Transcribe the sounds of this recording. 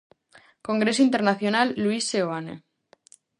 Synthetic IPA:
ko̞ŋɡɾe̞soint̪eɾnaθjonalːuisːeoanḛ

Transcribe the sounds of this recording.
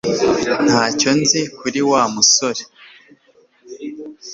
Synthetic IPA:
n̥haːco̞nzikuɾiwamusoɾe

